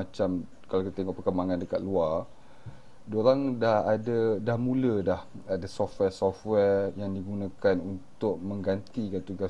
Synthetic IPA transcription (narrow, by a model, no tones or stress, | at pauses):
at͡ʃam | kalakit̪at̪eŋɔʔpərkəmbaŋandəka̰t̪̚luar | doɾaŋdahadadahmũlədah | adasɔfwɛsɔfwɛrjaŋdiɡunãkanunt̪ʊʔ̚mə̃ŋɡant̪ikant̪uɡa